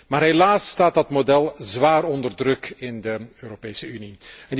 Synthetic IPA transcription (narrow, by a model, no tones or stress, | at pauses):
maːɾɦelaːsːtaːt̚dɑtmodɛlˠzʋaːrɔndərdrɵkɪndəøːɾopeːsəyniɛnd